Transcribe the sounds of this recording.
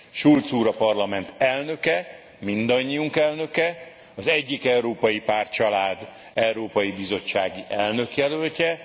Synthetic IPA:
ʃult̪suːɾɒpɒrlɒmɛnt̪ɛlnø̞kɛ | mind̪ɒɲːiuŋkɛlnø̞kɛ | ɒzɛɟːikɛuɾoːpɒjipaːrt͡ʃɒlaːd̪ | ɛwɾoːpɒjibizo̞t͡ʃːaːɡiʔɛlnø̞kjɛlølcɛ

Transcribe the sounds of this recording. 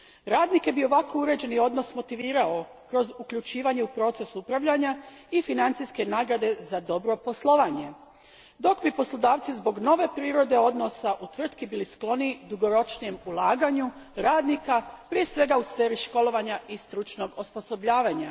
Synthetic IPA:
ɾaːd̪nike̞bio̞ʋako̞uɾe̞d͡ʑe̞nio̞d̪no̞smo̞t̪iʋiːɾao | kɾo̞zukʎut͡ʃiːʋaɲe̞upɾo̞ːt̪se̞supɾaʋʎaɲa | ifinant̪sijske̞naːɡɾad̪e̞zad̪o̞bɾo̞po̞slˠo̞ʋaɲe̞ | d̪o̞kbipo̞slˠo̞d̪aːʋt̪sizbo̞ɡno̞ʋe̞pɾiːɾo̞d̪e̞o̞d̪no̞saʔut̪ʋr̩t̪kibilisklˠo̞nid̪uɡo̞ɾo̞t͡ʃnije̞mulˠaːɡaɲu | ɾaːd̪nikapɾije̞sʋe̞ɡausfe̞ːɾiʃko̞lˠo̞ʋaɲaʔist̪ɾut͡ʃno̞ɡo̞spo̞so̞bʎaːʋaɲa

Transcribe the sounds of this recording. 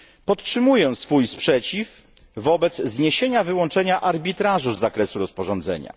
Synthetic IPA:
pɔt̪tʂɘmujɛsfujspʂɛt͡ɕifː | ɔbɛd̪zzɲeɕeɲavɘwɔnt͡ʂɛɲaʔaɾbʲit̪ɾaʐuzːakɾɛsuɾɔspɔʐɔnd̪zɛ̰ɲa̰

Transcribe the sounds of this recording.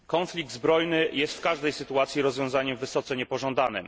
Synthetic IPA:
kɔnflʲiɡ̚d̪zbɾɔjnɘjɛst̪fkaʐd̪ɛjsɘt̪uat̪sʲjiɾɔzvʲjɔ̃w̃zaɲɛmvɘsɔt̪sɛɲɛpɔʐɔ̃nd̪anɘ̰m

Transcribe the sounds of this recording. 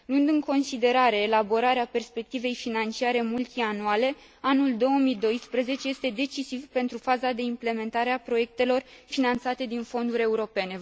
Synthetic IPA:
luɨnd̪ɨŋko̞nsid̪e̞ɾaɾe̞ːlabo̞ɾaɾeape̞rspe̞k̚t̪ive̞jfinant͡ʃiaɾe̞mult̪ianuale̞ | anuld̪o̞omid̪o̞jspɾəze̞t͡ʃe̞je̞st̪e̞d̪e̞t͡ʃisivpe̞nt̪ɾufazad̪e̞imple̞me̞nt̪aɾe̞apɾo̞je̞k̚t̪e̞lo̞rfinant̪sat̪e̞d̪info̞nd̪uɾʲe̞uɾo̞pe̞ne̞

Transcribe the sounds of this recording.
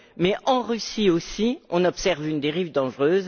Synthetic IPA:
mɛʔɑ̃ʁysiosiɔ̃nɔpsɛʁvynd̪eʁivd̪ɑ̃ʒʁøːz

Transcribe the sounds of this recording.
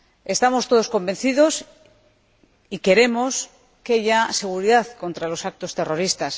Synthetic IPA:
e̞st̪amo̞st̪o̞ð̞o̞sko̞mbẽ̞n̟θiðo̞s | ike̞ɾe̞mo̞s | keaʝase̞ɣ̞uɾiðaθko̞nt̪ɾalo̞sak̚t̪o̞st̪e̞ro̞ɾist̪as

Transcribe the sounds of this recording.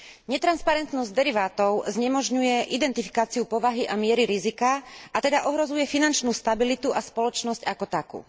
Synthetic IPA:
ɲɛt̪ɾanspaɾɛnt̪nɔzɟd̪ɛɾiʋaːt̪ɔʊzɲɛmɔʒɲujɛʔid̪ɛnt̪ifi̥kaːt͡siupɔʋaɦiʔamɪɛɾiɾizikaat̪ɛd̪aʔɔɦɾɔzujɛfinant͡ʃnuːst̪abilit̪uʔaspɔlɔt͡ʃnɔscakɔt̪akṵː

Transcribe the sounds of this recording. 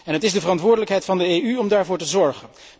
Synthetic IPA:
ɛnɦətɪzdəvərɑntʋʊːɹdələkɦɛjtfɑndəeːyɔmdaːɹvʊːɹtəzɔɹχən

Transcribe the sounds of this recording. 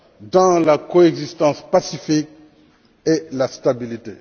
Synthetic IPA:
d̪ɑ̃lakoɛɡzist̪ɑ̃spasifik̚ | elast̪abilit̪e

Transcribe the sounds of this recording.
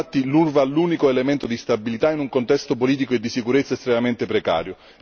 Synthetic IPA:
at̪ːilurvaluːnikoelement̪od̪ist̪abilit̪ainuŋkont̪ɛst̪opoliːt̪̬ikoed̪ːisikuɾet̪sːaest̪ɾemament̪epɾeka̰ːɾjo

